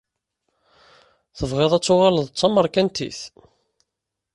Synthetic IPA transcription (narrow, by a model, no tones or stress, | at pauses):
θəvʁeðˤæt͡sːʊʁaləðˤt͡sˤːɑməɾˤkænt̪ḭθ